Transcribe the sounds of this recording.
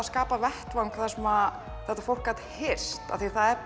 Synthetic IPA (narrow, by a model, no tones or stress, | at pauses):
askaːpavɛht̪vawŋkʰaθasɛma | θɛht̪afowl̥kːaːt̪hɪr̥sst̪a̰θiθaðɛɾ